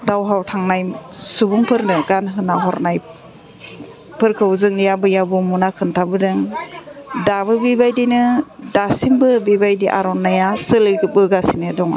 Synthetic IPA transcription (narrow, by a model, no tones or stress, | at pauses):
dawɦawtʰaŋnajsubuŋpʰɯɾnɯɡanɦɯnaɦɔɾnaj | pʰɯɾkʰɯwzɯŋnijabɯjabumunakʰɯntʰabɯdɯŋ | dabɯbibajdinɯdasimbɯbibajdiʔa̰ɾɔnːajasɯlɯɡɯpɯɡasinɯdɔŋa̰